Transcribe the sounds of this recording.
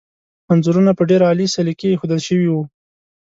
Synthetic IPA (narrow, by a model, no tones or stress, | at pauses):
manzuɾunapəɖeɾaːlisalikexod̪əlʃəwiwu